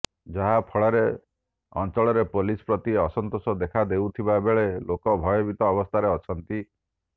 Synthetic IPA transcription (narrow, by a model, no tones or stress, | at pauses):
d͡ʒɔɦapʰɔɭɔɾe | ɔ̰nt͡ʃɔɭɔɾepolispɾɔt̪iɔsɔnt̪osɔd̪ekʰad̪ewt̪ʰibabeɭelokɔbʱɔjɔbit̪ɔːbɔst̪ʰaɾeɔt͡ʃʰɔnt̪i